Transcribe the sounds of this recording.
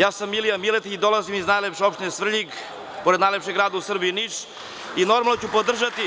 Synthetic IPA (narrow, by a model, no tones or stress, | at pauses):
jaːsamːilijamilet̪iid̪olazimiznajlepʃeo̞pʃt̪inesvr̩ʎiɡ | poɾed̪najlepʃeɡɾaːd̪ausr̩bijinit͡ʂ | ino̞ɾmalˠnot͡ɕupod̪r̩ʒat̪i